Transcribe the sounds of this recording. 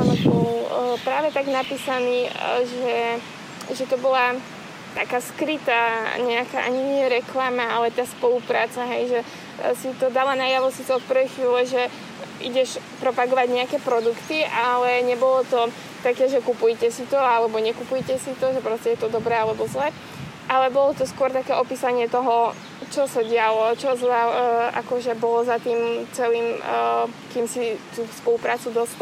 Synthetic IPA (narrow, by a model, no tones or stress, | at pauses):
anɔbɔllpɾaːʋɛt̪aɡnapiːsaniːʒɛ | ʒɛt̪ɔbɔla | t̪akaːskɾit̪aːɲɛaka̰ʔa̰ɲiɲɪɛɾɛklamaalɛt̪aːspɔlupɾaːt͡saɦɛjʒɛ | sit̪ɔd̪alanaːjaʋɔsiːt͡sɛɔt̪̚pr̩ʋɛjxʋiːlɛʒɛ | ʔḭɟɛʃpɾɔpaɡɔʋaɟɲɛakɛːpɾɔd̪ukt̪iʔalɛɲɛbɔlɔt̪ɔ | t̪akɛːʒɛkupujcɛsit̪ɔalɛbɔɲɛkupujcɛsit̪ɔʒɛpɾɔscɛjɛt̪ɔd̪ɔbɾɛːalɛbɔzlac | ʔalɛbɔlɔt̪ɔskʊɔɾt̪akɛːʔɔpiːsaɲɪɛt̪ɔɦɔ | t͡ʃɔsaɟɪalɔt͡ʃɔzaʔa̰kɔʒɛbɔlɔzat̪iːmt͡sɛliːm | kiːmsit̪uːspɔlupɾaːt͡sud̪ɔsp